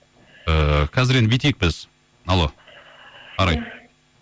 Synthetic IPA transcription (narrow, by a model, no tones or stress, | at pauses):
əkʲʰæzɪɾenbet̪ek̚bɪz̥ | ɑlˠo | qʰɑɾɑj